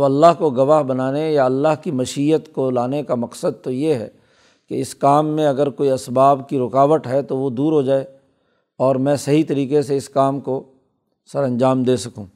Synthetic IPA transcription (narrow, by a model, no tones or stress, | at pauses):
ʋɐlːaɦkoɡɐʋaːɦbɐnaːnejaɐlːaɦkimɐʃijət̪kolaːnekamɐqsəd̪̚t̪ojeɦɛ̰ː | keɪskaːmːẽɐɡəɾkoːiɐsbaːbkiɾʊkaːʋət̪ɦɛt̪oʋod̪uːɾɦod͡ʒaːe | ɔːɾmɛ̃ːsɐɦit̪ɐɾiːkeseɪskaːmko | sɐɾɐ̃nd͡ʒaːmd̪eːsɐkũː